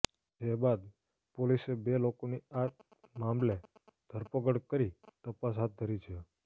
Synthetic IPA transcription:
ɦebad̪ | polisebelokonia | mamled̪ʱəɾpəkəɽkəɾit̪əpas̬ɦat̪̚d̪ʱəɾit͡ʃʰe

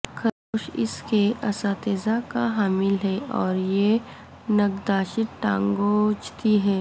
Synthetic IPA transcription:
kʰɐɾoːʃɪ̰skeʔɐsãːt̪eːzakaɦaːmɪlɦɛɔːɾje | nɐɡd̪aːʃɪʈʈã̰ːŋɡot͡ʃʰt̪iɦɛː

